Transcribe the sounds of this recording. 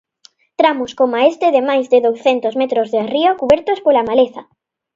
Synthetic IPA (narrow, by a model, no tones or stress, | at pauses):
t̪ɾamʊskomaest̪eðemajzðɪðowsθent̪ozmet̪ɾozðeariokuβɛɾt̪ospolamaleθa